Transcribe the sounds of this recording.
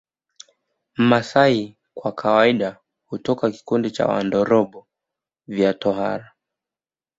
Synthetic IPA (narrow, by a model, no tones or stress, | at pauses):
m̩masai | kwakʰawaiɗa | hutɔkaki̥kundit͡ʃa̰wa̰ndɔɾɔɓɔ | vjatɔha̰ɾa